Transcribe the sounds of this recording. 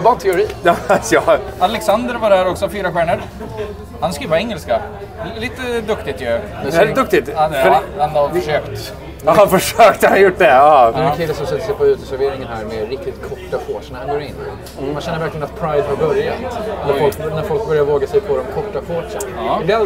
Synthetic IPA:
vɑnt̪ʰɛʊɾiːjɑasjɑalɛksand̪əɾvaɖæːɾɔksɔfyːɾaɧæːɳəɾ | hanskɾiːvaɛŋːəlska | liːt̪əd̪ɵkt̪ɪt̪jɵ | ɛd̪ɵkt̪ɪt̪ | andəʂøːkt̪ː | hanfœʂøːkt̪əhanjʊʈːd̪ɛd̪ɛakʰɪlːəsɔmsɛt̪ːəsɛpʰɔʉ̟ːt̪əsæɾveːɾɪŋənhæːɾmɛɾɪkt̪ɪt̪kʰɔʈːafoːʂənhanɡoːɾɪnː | manɕɛnːəɾvæɾklɪɡənat̪pʰɾaɪd̪haɾbœɾjat̪næɾɔlknæɾfɔlk̚bœɾjaɾvoːɡasɛjpʰɔːd̪ɔmkʰɔʈːafoːʂəd̪ɛ

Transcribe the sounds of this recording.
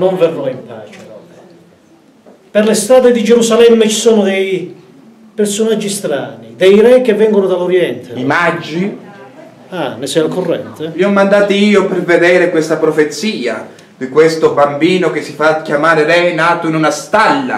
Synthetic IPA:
noɱvɛrːɔimpaːt͡ʃeɔ | perlest̪ɾaːd̪ed̪id͡ʒɛɾusalɛmːet͡ʃi̥sɔːnʊd̪ɛj | personad͡ʒːist̪ɾaːnid̪ɛjɾɛkːevːɛŋɡonʊd̪alːoɾjɛnt̪ʰeimad͡ʒːi | anesɛalkorːɛ̰nt̪emiɔmːand̪aːt̪iiːopɛrved̪ɛːɾekwest̪apɾɔfet̪sːiːa̰ | d̪ikwest̪ʊbambiːnok̟ɪsːifakʲjamaːɾeɾɛnaːt̪oinunast̪alːa̰

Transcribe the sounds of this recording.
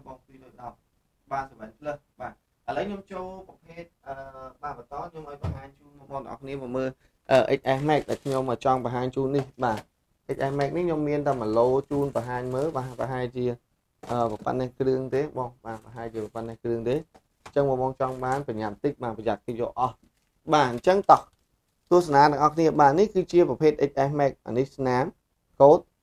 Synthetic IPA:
ɓɑːŋpiːloːj̚ɗɑt̪̚ | ɓaːnsəʋaŋpʰləhɓaː | ʔələwkʰɲomt͡ɕoːlprɑpʰeːt̪̚ʔəːɓaːpət̪ɑːɲomʔaɔjpɑɦaːɲt͡ɕuːnmoːmɔːŋt̪əŋʔɑ̰kʰniəmɔːməː | ʔəːʔə̰c̚ʔahmaɛk̚ɗa̰ɛlkʰɲomʔəːt͡ɕɑŋpəɦaːɲt͡ɕuːnːihɓaː | ʔəc̚ʔaːhmaɛk̚nikʰɲomːiənt̪aəməloːt͡ɕuːnpəɦaːɲməːlpaːpaɦaɛlt͡ɕiə | ʔəːpəpa̰nːɛhkrɨəŋt̪eːɓɑhɓaːpaɦaɛlt͡ɕiəpəpannəhkrɨəŋt̪eː | ɲt͡ɕəŋmɔːmɑːŋt͡ɕɑŋɓaːnpəɲat̪̚t̪ɨc̚ɓaːpəjak̚kɨjɔ̰ːʔɑh | ɓaːɲt͡ɕəŋt̪ɑh | t̪ʊəsanaːt̪ɛ̆əŋʔɑhkʰniəɓaːnihkɨːt͡ɕiəprɑpʰeːt̪̚ʔəc̚ʔaɛhmaɛk̚a̰nɨhsnaːm | koːt̪̚

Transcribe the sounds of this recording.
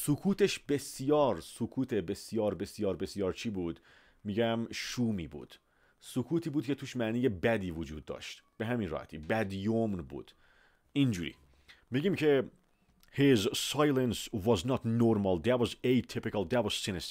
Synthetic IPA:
sukʰuːt̪eʃbesijɒːɾsukʰuːt̪ʰebesjɑːɾbesijɒːɾbesijɑːɾt͡ʃʰibuːd̪ | miɡæmʃuːmibṵːd̪̥ | sukʰuːt̪iːbuːd̪̚kʰʲet̪ʰuʃmæniːjebæd̪iːvud͡ʒuːd̪̚ːɔ̰ʃt̪b̥eɦæmĩnɾɑ̰ht̪ʰibæd̪jomnbṵd̪̥ | ind͡ʒuɾḭ | meɡimkʰe | hezsɑjlɛnsvɑznɑt̪noɾmalˠd̪ætwɔzejt̪ʰipɪkalˠd̪ætwɔz̥sinɛs

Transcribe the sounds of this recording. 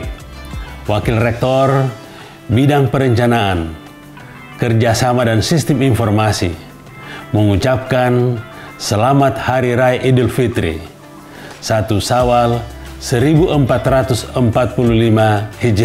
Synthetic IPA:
wakilrɛk̚t̪ɔr | bidaŋpəɾəɲt͡ʃanaan | kərd͡ʒasamadansist̪iminfɔrmasi | məŋut͡ʃap̚kan | səlamat̪haɾiɾaɛʔidilfit̪ɾḭ | sat̪usawalsəɾibuʔəmpat̪rat̪usəmpat̪̚pululimahid͡ʒ

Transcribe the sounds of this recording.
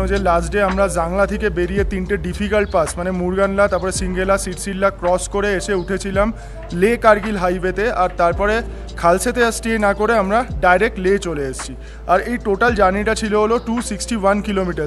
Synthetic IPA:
od͡ʑelasʈɖeamɾad͡ʑaŋlat̪ʰekebeɾiet̪inʈeɖifʰikalʈ̚pasmanemuɾɡanlat̪aɾpɔɾesiŋɡelasiʈsilːakɾɔskoɾeeʃeuʈʰet͡ɕʰilam | lekaɾɡilɦajbet̪eaɾt̪aɾpɔɾe | kʰalset̪eəsʈienakoɾeamɾaɖajɾek̚ʈlet͡ɕoleest͡ɕʰi | aɾejʈoʈald͡ʑaniʈat͡ɕʰiloɦoloʈusiksʈiwankilomiʈaɾ

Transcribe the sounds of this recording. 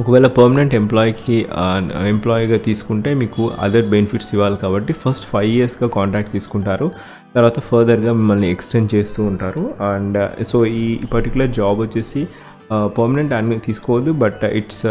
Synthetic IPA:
ɔkɐʋɛːlɐpɐːɾmɐneɳʈemplɔːjki | emplaːjiɡaːt̪iːsu̥kuɳʈe̞ːmiːkuɐ̰d̪ɐɾbenfʰiʈsiʋːaːlɐkaːbɐʈːipʰɐɾsʈpʰɐjʋiɐɾsɡaːkaːɳʈɾaːk̚ʈt̪iːsu̥kuɳʈaːɾu | t̪ɐɾʋaːt̪ɐpʰɐɾd̪ɐɾɡaːmimːɐlnieksʈent͡ʃe̞ːst̪uːɳʈaːɾuɐɳɖsoːiːpɐɾʈikjulɐɾd͡ʒaːbɐt͡ʃːeːsi | pɐɾmɐne̞ɳʈɐnit̪iːsu̥kɔːʋɐd̪ːubɐʈḭʈs

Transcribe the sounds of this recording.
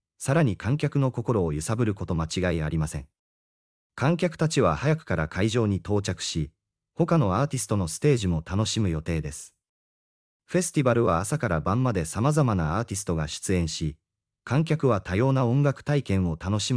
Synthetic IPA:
saɾaɲ̟ikʰãŋkʲakɯ̟no̞ko̞ko̞ɾo̞ːjɯ̟sabɯ̟ɾɯ̟ko̞t̪o̞mat͡ɕiɡaia̰ɾʲimasẽ̞ŋ | kãŋkʲakɯ̟̥t̪at͡ɕiβ̞ahajakɯ̟̥kaɾakʰaiʑo̞ːɲ̟it̪o̞ːt͡ɕakɯ̟̥ɕi | ho̞kano̞aːt̪ʲisɨ̥t̪o̞no̞sɨ̥t̪e̞ːʑimo̞t̪ano̞ɕimɯ̟jo̞t̪e̞ːd̪e̞sɨ̥ | ɸe̞sɨ̥t̪ʲibaɾɯ̟βaːsakaɾabãmːad̪e̞samazamanaaːt̪ʲisɨ̥t̪o̞ɡaɕi̥t͡sɨẽ̞ɰ̃ɕi | kʰãŋk̬ʲakɯ̟βat̪ajo̞ːnaõ̞ŋɡakɯ̟̥t̪aikẽ̞ɰ̃o̞t̪ano̞ɕi

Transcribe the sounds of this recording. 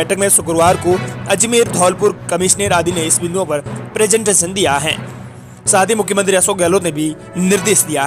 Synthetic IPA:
ɛːʈʰəkmẽsʊkɾʋaːɾkoɐd͡ʒmeːɾd̪ʱɔːlpʊɾkɐmɪʃneːɾaːd̪ineɪsbɪ̃nd̪õpɐɾpɾeːzə̃ɳʈeːʃə̃nd̪ijaɦɛ̰ː | saːt̪imʊkʰjəmə̃nt̪ɾiɐsoɡɛːlot̪nebʱi | nɪɾd̪eːʃd̪ijaɦ

